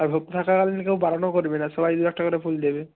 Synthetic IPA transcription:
aɹbʱɔkt̪ʰakakalinikewbaɾɔnɔkoɾibenasɔbajd̪uɛk̚ʈakɔɾepʰuld̪ebe

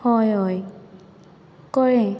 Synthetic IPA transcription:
ɔjɔj | kɔɹɛ

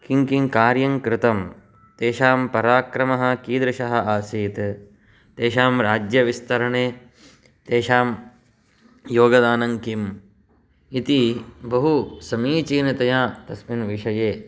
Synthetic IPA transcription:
kiŋkiŋkaːɾjɐŋkɾɪt̪ɐm | t̪eːʃaːmpɐɾaːkɾɐmɐɦɐ̆kiːd̪ɾɐʃɐɦɐ̆ʔaːsiːt̪ | t̪eːʃaːmɾaːd͡ʒjɐʋist̪ɐɾɐɳeː | t̪eːʃaːm | joːɡɐd̪aːnɐŋkim | it̪ibɐɦusɐmiːt͡ʃiːnɐt̪ɐjaːt̪ɐsminʋiʂɐjeː

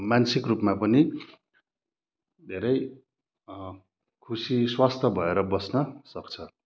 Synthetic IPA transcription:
mansikrupmapʌni | d̪ʱeɾʌj | kʰusiswast̪ʰʌbʱʌeɾʌbʌsnʌsʌkt͡sʰʌ

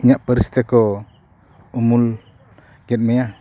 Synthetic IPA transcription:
iɲaʔpəɾist̪eko | umul | ɡɛt̪̚meja

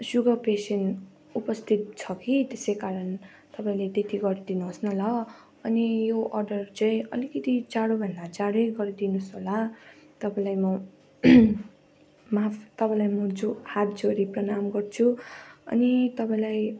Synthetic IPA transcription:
suɡʌpesen | upʌst̪ʰit̪̚t͡sʰʌkit̪esejkaɾʌn | t̪ʌpãĩlet̪et̪iɡʌɾd̪inuɦosnʌlʌ | ʌnijoʔʌrɖʌrt͡sãĩʌlikʌt̪id͡zaɽobʱʌnd̪ad͡zaɽojɡʌɾd̪inusɦolat̪ʌpãĩlajmʌ | mapt̪ʌpãĩlajmʌd͡zohat̪̚d͡zoɾiprʌnamɡʌrt͡sʰuʌ̰nit̪ʌpãĩlaj

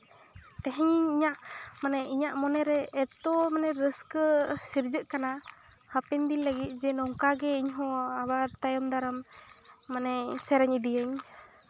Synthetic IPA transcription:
t̪ɛɦɛɲiɲiɲaʔmanɛʔiɲaʔmɔnɛɾɛːt̪ɔmanɛɾəskəsiɾd͡ʒəʔkana | hapɛnd̪inləɡit̪̚ˀd͡ʒɛnɔŋkaɡɛiɲɦɔ̃abaɾt̪ajɔmd̪aɾəmː | anɛsɛɾɛɲid̪ijəɲ

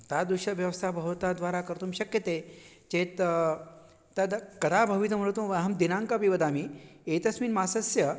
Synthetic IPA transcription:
t̪ad̪uɕəʋjɐʋəst̪ʰabʱɐʋt̪ad̪ʋaɾakəɾt̪uːmɕɐkjət̪e | t͡ɕet̪ | t̪ad̪kɐd̪abʱɐʋit̪məɾt̪uʋɦɐmd̪inãŋkapiʋəd̪amiet̪ɐsmiːnmasɐsjɐ

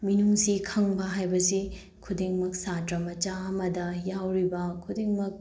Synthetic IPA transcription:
minuŋsikʰɐŋbɐɦajbɐsi | kʰudeŋmɐk̚satɾɐmɐt͡ʃaɐmɐdɐjawɾibɐkʰudeŋmɐk̚

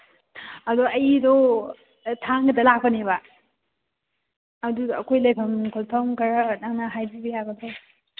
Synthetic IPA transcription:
ɐdɔɐjdɔ | tʰaŋɡɐdɐlak̚pɐneba | duɐkʰojlajpʰɐmkʰɔltʰawmkaɾanaŋnaɦajbibijaɡɐdɔ

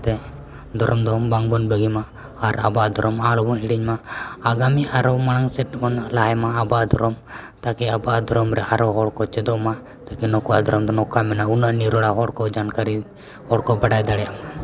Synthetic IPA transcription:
t̪ɛ | d̪ʱɔɾɔmd̪ɔbaŋbɔnbəɡimaː | ɾa̰baʔd̪ɔɾɔmalɔbɔnɦiɽiɲmaːɡamiʔaɾɔmanaŋsɛʈːbɔnlaɦɛmaːbad̪ʱɔɾɔm | t̪akɛabaʔd̪ʱɔɾɔmɾɛʔaɾɔɦɔɽkɔt͡ʃɛd̪ɔma | t̪akɛnɔkuad̪ʱɔɾɔmd̪ɔnɔkamɛnaunaniɾɔɽaɦɔɽkɔd͡ʒankaɾi | hɔɽkɔbaɖajd̪aɽɛjaʔma

